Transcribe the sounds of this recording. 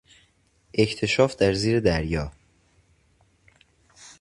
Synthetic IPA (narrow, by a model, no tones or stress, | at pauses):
ʔe̞cʰt̪ʰe̞ʃɒːfd̪̥æɾziːɾe̞d̪æɾjɒː